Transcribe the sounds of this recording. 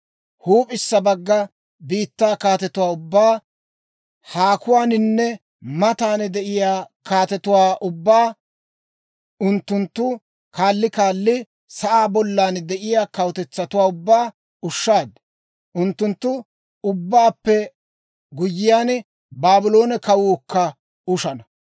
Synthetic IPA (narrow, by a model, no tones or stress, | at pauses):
huːpʼɪsːɐbɐɡːɐ | biːt̪ːaːkaːt̪ɛt̪ʊwaːʊbːaː | haːkʊwaːnɪnːɛ | mɐt̪aːnd̪ɛʔɪjaːkaːt̪ɛt̪ʊwaːʔʊbːaː | ʊnt̪ːʊnt̪ːʊ | kaːlːɪkaːlːɪ | sɐʔaːbɔlːaːnd̪ɛʔɪjaːkɐwt̪ɛt͡sːɐt̪ʊwaːʊbːaː | ʊʃːaːd̪ | ʔʊnt̪ːʊnt̪ːʊ | ʊbːaːpːɛ | ɡʊjːɪjaːn | baːbɪlo̞ːnɛkɐwʊːkːɐ | ʊʃɐnɐ